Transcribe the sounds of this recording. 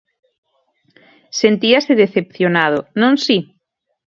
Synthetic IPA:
sent̪iaseðeθep̚θjonað̞onõŋsi

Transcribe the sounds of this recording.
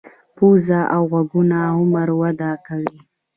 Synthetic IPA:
puzaʔawɣaɡunaɦʊməɾwad̪akawi

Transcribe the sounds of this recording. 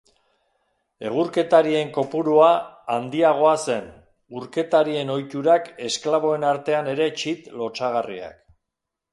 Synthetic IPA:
e̞̰ɣ̞uɾke̞t̪aɾie̞ŋko̞puɾuaand̪iaɣ̞o̞ase̞n | uɾke̞t̪aɾie̞no̞jt̪uɾake̞sklaβ̞o̞e̞naɾt̪e̞ane̞ɾe̞t͡ʃit̪lo̞t͡ʃaɣ̞arḭa̰k

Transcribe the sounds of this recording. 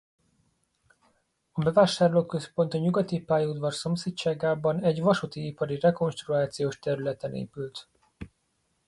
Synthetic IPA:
ɒbɛvaːʃaːrloːkkø̞spo̞nt̪ɒɲuɡɒt̪ipaːjud̪vɒrso̞mseːtt͡ʃaːɡaːbɒnɛɟvɒʃut̪iipɒɾirɛko̞nʃt̪ruaːt̪sijoːʃt̪ɛɾylɛt̪ɛnḛːpylt̪

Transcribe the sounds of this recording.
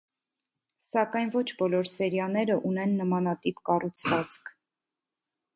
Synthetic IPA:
sɑkɑjnvɔt͡ʃʰbɔlɔɾsɛɾjɑnɛɾəʔunɛnːəmɑnɑt̪ipkɑrut͡sʰvɑt͡skʰ

